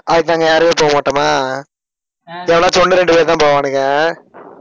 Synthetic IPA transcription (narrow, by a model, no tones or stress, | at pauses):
ɐðɯkːɯnãːŋɡɐjaːɾɯmeːpoːɐmaːʈːɯmaː | ɛʋɐɭãːtɔnːɯɾɛɳɖɯpeːɾt̪ãːpoːʋaːnɯŋɐ